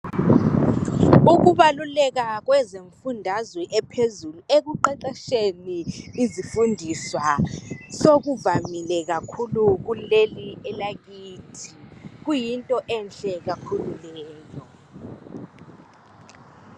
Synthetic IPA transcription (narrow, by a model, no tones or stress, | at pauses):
uɣ̬uβalulɛk̬ak̬wɛzeɱfundʱazwɛʔɛpʰezuluek̬uǃɛǃaʃeniːzifundʱiswasoɣ̬uvamilɛk̬akʰuluk̬uleliɛlaɣiːtʰi̥k̬ujintʼɔʔɛnɬɛɣ̬akʰululɛːjɔ